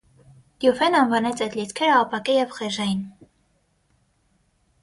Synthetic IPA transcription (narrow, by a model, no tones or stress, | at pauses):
d̪̥jufɛnɑnvɑnɛt͡sʰɛjd̪lit͡skʰɛɾəɑpɑkɛjɛvχɛʒɑjin